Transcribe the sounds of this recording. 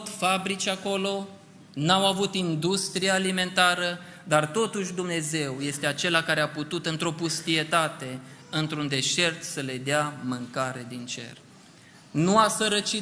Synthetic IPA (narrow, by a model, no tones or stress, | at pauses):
t̪fabɾit͡ʃʲako̞lo̞ | nawavut̪ind̪ust̪ɾiaːlime̞nt̪aɾə | d̪art̪o̞t̪uʃ̬ʲd̪umne̞ze̞wje̞st̪eat͡ʃe̞lakaɾeaput̪ut̪ɨnt̪ɾo̞pust̪ie̞t̪at̪e̞ɨnt̪ɾund̪e̞ʃe̞rt̪səle̞d̪eamɨŋkaɾe̞d̪int͡ʃe̞̰r | nuasəɾət͡ʃi